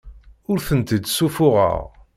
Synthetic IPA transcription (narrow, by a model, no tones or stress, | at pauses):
ʊɾθənt̪id̪sufʊʁə̰ʁ